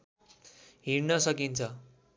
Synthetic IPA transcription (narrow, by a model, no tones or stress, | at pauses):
ɦiɾnʌsʌkint͡sʰʌ